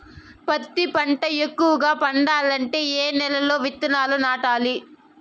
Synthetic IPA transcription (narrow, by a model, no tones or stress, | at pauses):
pɐt̪ːipɐɳʈɐekːuʋɐɡaːpɐɳɖaːlɐɳʈe̞ːeːnɛlɐlo̞ːʋit̪ːɐnaːlunaːʈaːli